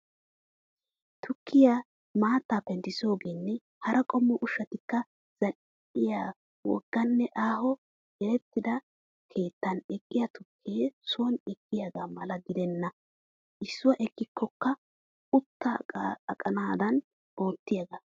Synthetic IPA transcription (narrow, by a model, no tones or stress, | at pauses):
t̪ʊkːɪja | maːt̪ːaːpɛnt̪ːɪso̞ːɡeːnːɛ | hɐɾʔɐkʼɔmːɔʔʊʃːɐt̪ɪkːɐ | z̥ɐl | ɪjaː | wɔ̰ɡ̥ːɐnːɛʔaːhɔ | ɡɛɾɛt̪ːɪd̪ɐ | kʰe̞ːt̪ːɐnɛkʼːɪjɐt̪ʊkʰːeːsʊwɔnɛkːɪjaɡaːmɐlɐɡɪd̪ɛnːɐ | ʔɪsːʊwɐʔɛkːɪkʰːɔkːɐ | ʊt̪ːa̰kʼɐnaːd̪ɐn | o̞ːt̪ːɪjɐɡa